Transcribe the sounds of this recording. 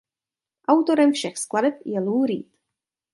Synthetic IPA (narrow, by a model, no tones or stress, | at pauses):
ʔawt̪o̞ɾɛmfʃɛxskladɛpjɛluːɾḭːt̪